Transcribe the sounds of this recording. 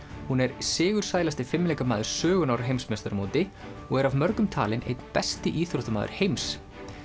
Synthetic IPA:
hunɛɾsɪːɣʏɾ̥saːjlast̪ɪfɪmlɛːjkamaːðʏɾ̥sœːɣʏnawɾɦejmsmest̪aɾmoːt̪ɪɔɣɛɾavmœɾkʏmt̪ʰaːlɪnḛjt̪npɛst̪ɪʔiːθɾoht̪amaːðʏ̰ɾ̥hejms

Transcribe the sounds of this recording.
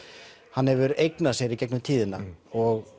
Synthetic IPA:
hanhɛvʏɾejknḁsjɛɾicɛknʏmt̪ʰiːðɪnːa̰ɔɣ

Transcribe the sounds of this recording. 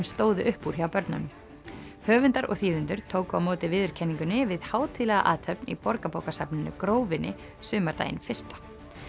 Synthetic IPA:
mst̪oːwðʏʔʏhpːuɾ̥çawpœɾt̪na̰nʏm | hœːvʏnt̪aɾɔ̰ɣθiːvʏnt̪ʏɾ̥t̪ʰoːwkawmoːt̪ɪvɪðʏɾ̥cʰɛnːiŋkʏnːɪvɪðhaːwt̪ʰilɛɣa̰ʔaːt̪hœpnḭpɔɾkapowkasapnɪnʏ̰kɾoːwvɪnʔɪ̰ | sʏːmaɾt̪a̰ːjɪ̰nfɪr̥st̪ḁ

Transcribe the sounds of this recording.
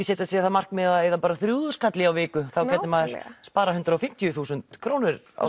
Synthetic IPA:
sɛːt̪ɪasiːaθamar̥kmɛːaejðapaːɾaθɾjuːðʏskʰat̪lɪawvɪːkʏθawkɛt̪ːɪmaːðɪɾ̥spaːɾaɦʏnt̪ɾaɔfɪm̥t̪jʏθuːsʏnt̪kʰɾoːwnɪɾ | a̰w

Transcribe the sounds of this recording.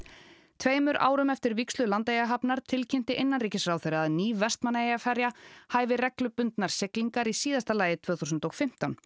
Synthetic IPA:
t̪ʰveːjmʏɾʔa̰ːwɾʏmɛft̪ɪɾvikslʏlant̪ejaɦapnaɾ̥t̪ʰɪlcʰɪm̥t̪ɪʔɪnːanriːcɪsrawθeɾɪaðniːvvɛst̪manːaejafɛɾjahajvɪrɛklʏpʏnt̪naɾ̥sɪkliŋkaɾisiːðast̪alaːjɪt̪ʰvœːθusʏnt̪ɔɣfɪm̥t̪an

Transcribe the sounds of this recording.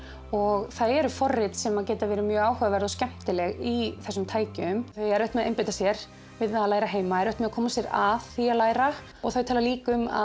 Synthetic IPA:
ɔɣθaðɛɾʏfɔrːɪt̪sɛmaðcɛːjt̪avɛːɾɪmjœːɣaːwhœɣavɛɾðɔscɛm̥t̪ɪlɛɣiθɛsːʏmt̪ʰaːjcʏmθœɥjɛɾœht̪mɛaɛmpajt̪asjɛɾ | vɪðθaðalaːjɾaɦeːjmaɛɾœht̪mɛðakʰɔːmasjɛɾaðθialaːjɾa | ɔɣθœɥjt̪ʰaːlaliːkʏma̰

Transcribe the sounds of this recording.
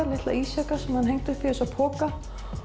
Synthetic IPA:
aɾlɪht̪la̰iːsɛkḁsɛmhanɦejŋt̪ʏfɪɾsapʰɔːka

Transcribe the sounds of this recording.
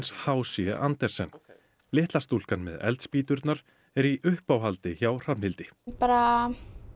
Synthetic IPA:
nshaːwsjɛ̰ʔant̪ɛɾ̥sɛn | lɪːht̪last̪ul̥kanmɛ̰ðɛ̰lt̪spiːt̪ʏɾt̪naɾ̥ | ɛɾiʔʏhpawɦalt̪ɪçawr̥amhɪlt̪ɪpaːɾa

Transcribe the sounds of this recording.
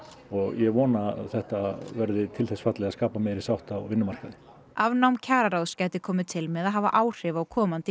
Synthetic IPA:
ɔɣjɛɣvɔːnaθɛht̪avɛɾðɪt̪ʰɪlθɛsfat̪lɛɣaskaːpamɛɾisawht̪awvɪnːʏmaɾ̥kaðɪ | avnawmcʰaːɾaɾawðscaːjt̪ɪkʰɔːmɪt̪ʰɪlmɛðaðɦaːva̰ʔaːwr̥ɪvaɔkʰɔːmant̪ɪ

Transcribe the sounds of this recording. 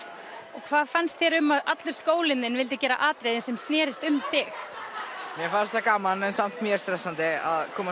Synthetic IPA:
ɔɣkʰvaːðfanst̪θjɛɾʏmːaðat̪lʏɾ̥skoːwlɪnːɪnvɪlt̪ɪcɛːɾa̰ʔaːt̪ɾejðɪnsɛmst̪nɛːɾɪst̪ʏmθɪx | mjɛfaːɾɪst̪ʰakaːmanɛnsam̥t̪mjɛɾ̥st̪ɾɛt̪ant̪ɪa̰ðkʰɔːma

